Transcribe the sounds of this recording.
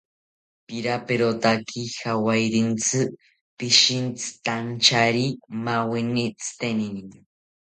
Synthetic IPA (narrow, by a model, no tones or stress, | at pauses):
piɾapeɾot̪akʰixawajɾint͡sɨ | piʃint͡sɨ̥t̪ant͡ʃaɾimawinit͡sɨ̥t̪enini